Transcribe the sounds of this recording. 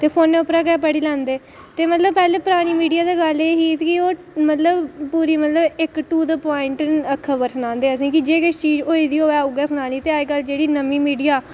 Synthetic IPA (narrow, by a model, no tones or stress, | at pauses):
t̪eːpʰoːnːeːʊpɾaːɡɛːpəɽiːlãːnd̪eː | t̪eːmət̪ləb̚pɛːlebpʊɾaːɽ̃iːmiːɖijaːd̪aːɡəleːɦiːt̪kɪoː | mət̪ləbpuːɾiːmət̪ləbɪkʈuːd̪əpaːɪɳʈnəkʰəbəɾsənãːnd̪eːəsĩːkɪd͡ʒeːkɪt͡ʃt͡ʃiːd͡ʒoːiːd̪iːɦoːɛːʊɡɛːsənãːniːt̪eːaikəld͡ʒeːɽiːnəmiːmiːɖijaː